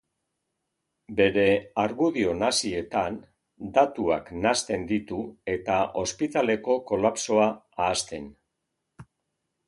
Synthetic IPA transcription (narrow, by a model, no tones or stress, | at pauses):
be̞ɾe̞aɾɣuðio̞nasie̞t̪an | d̪at̪uaknast̪e̞nd̪it̪ue̞t̪ao̞spit̪ale̞ko̞ko̞lapso̞aː | st̪e̞n